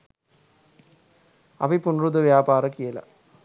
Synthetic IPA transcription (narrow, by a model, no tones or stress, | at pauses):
ɐ̰ʋɐɪpːʊnrɯðɐʋjaːpaːɾɐkɪjɐla̰